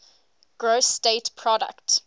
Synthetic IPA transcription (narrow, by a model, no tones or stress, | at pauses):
ɡ̥ɹosːtetpʰɹɔdə̰kt